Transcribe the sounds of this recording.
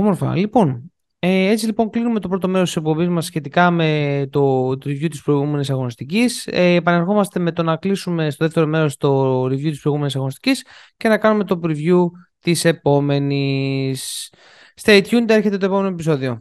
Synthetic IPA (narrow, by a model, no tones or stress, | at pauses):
omo̞ɾfɐ̰lipo̞n | ee̞t͡silipo̞ŋklinume̞t̪o̞pɾo̞t̪o̞me̞ɾost̪ise̞k̚po̞bizmɐsːçe̞t̪ikɐme̞t̪o̞t̪ɾivjut̪ispɾoiɣume̞nisɐɣo̞nist̪iciseːpɐne̞ɾxo̞mɐst̪e̞me̞t̪o̞nɐklisume̞st̪o̞ðe̞ft̪e̞ɾo̞me̞ɾo̞st̪o̞ɾivʝut̪ispɾoiɣume̞nisɐɣo̞nist̪i̥cisce̞nɐkɐnume̞t̪o̞pɾivʝut̪ise̞po̞me̞nisː | t̪ejt̪çund̪eɾçe̞t̪e̞t̪oe̞po̞me̞noepiso̞ðio̞